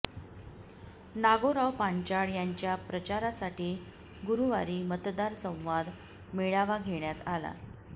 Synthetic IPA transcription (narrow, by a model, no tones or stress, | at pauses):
naɡoɾawpaɲt͡ɕaɽjaɲt͡ɕjapɾət͡ɕaɾasaʈiː | ɡuɾuʋaɾiːmət̪d̪aɾsə̃w̃ʋad̪ | meɭaʋaɡʱeɳjat̪ala̰